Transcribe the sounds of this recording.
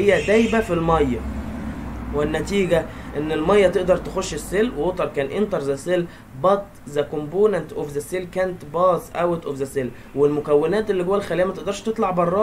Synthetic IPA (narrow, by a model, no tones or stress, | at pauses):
ejːæd̪æjbæfilmɑjːɑ | wɪnːæt̪iːɡæʔenːelmɑjːɑt̪eʔd̪ɑɾˤt̪exoʃːesːelːwewot̪ˤɑɾˤkæːnʔent̪ɑɾˤzæsel | bɑt̪ | zækomboːnænt̪ʔofzæsːelkæːnet̪bɑːzʔæwet̪ʔofzæsel | welmokæwːenæːt̪ʔelːiɡowːælxæliːæmæt̪eʔd̪ɑɾˤʃt̪et̪ˤlɑʕbɑrˤːɑː